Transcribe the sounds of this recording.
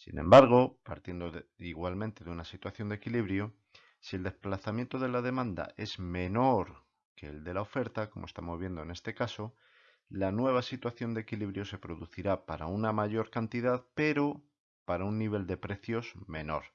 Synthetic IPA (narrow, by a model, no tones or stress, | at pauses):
sḭnẽ̞̰mbaɾɣ̞o̞pa̰ɾt̪je̞nd̪oiɣwalmẽnt̪e̞ðeunasit̪waθjo̞nd̪e̞kiliβɾjo | sie̞ld̪e̞splaθamje̞nt̪o̞ðe̞laðe̞mãnd̪a̰ʔe̞zmẽ̞no̞ɾ | ke̞ːld̪e̞lao̞fe̞ɾt̪ako̞mʔoest̪amo̞zβ̞je̞nd̪oene̞st̪e̞kaso̞ | lanwe̞β̞asit̪waθjo̞nd̪ekiliβɾjo̞se̞pɾo̞ðuθiɾapaɾaunamaʝo̞ɾkant̪iðaðpe̞ɾo̞ | paɾaunːiβ̞e̞ld̪e̞pɾe̞θjo̞zme̞no̞̰ɾ